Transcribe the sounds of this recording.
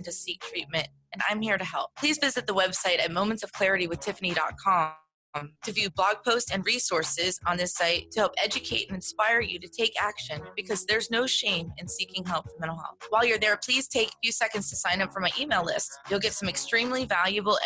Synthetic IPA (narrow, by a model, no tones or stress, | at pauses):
ntɨsik̚tʰɹ̥it̚mɨ̃nt̚ | ɨ̃nã̰ɪ̃mhiɹɾɨɦɛ̰lˠp̚pʰl̥izvɪzɨt̪̚ðəwɛb̥saɪɾɨt̚mõʊ̃mɨ̃ntsʌv̥kʰl̥ɛɹɨɾiwɨð̥tʰɪfnidɑ̰t̚kʰɑ | mtʰɨvjʉblɑɡ̚pʰoʊstɨ̃nɹisɔɹsɪzn̩ðɪsaɪtʰɨhɛlˠpɛd͡ʒɨkʰeɪɾɨ̃nɨ̃nspaɪə˞jɨɾɨtʰeɪkæ̰kʃɨ̃nbɨkʰʌzðə˞znoʊʃẽɪ̃mɨ̃nsikɪ̃ŋɦɛlˠpfə˞mɛ̃ñəlɑ̰lwaɪlˠjə˞ðə˞pʰl̥iz̥tʰeɪkfjʉsɛkɨ̃ndz̥tʰɨsãɪ̃nʌpfɹʌ̃maɪʔimeɪlɪstjul̩ˠɡɛtsʌ̃mɨkstɹ̥ĩmlivælˠjɨbl̩ˠ